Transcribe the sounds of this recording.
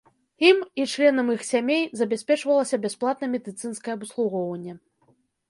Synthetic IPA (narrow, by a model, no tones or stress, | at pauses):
imit͡ʂlʲɛnɐmixsʲamʲejzɐbʲasʲpʲɛt͡ʂvɐlˠɐsʲɐbʲasplˠat̪nɐmʲɛd̪ɨt̪sɨnskɐjɛɐbuslˠuɣɔwvɐnʲːɛ